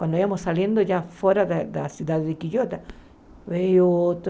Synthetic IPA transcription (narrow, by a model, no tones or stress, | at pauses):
kwand̪oiβamosaljend̪oʝafweɾaðed̪asjuðaððekiʎot̪a | βejoot̪